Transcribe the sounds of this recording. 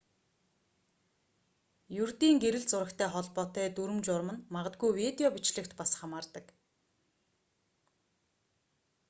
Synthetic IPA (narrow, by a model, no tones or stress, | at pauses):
jurt̪iːŋɡeɾɘ̆ɮt͡sʊɾə̆kt̪ʰæːχɔɮpɔːt̪æːt̪uɾɘ̆mt͡ɕʊrmə̆nmaʁə̆t̪̚ɡujwit̪eɔpit͡ɕɮɘ̆kt̪pasχamaːrt̪ə̆k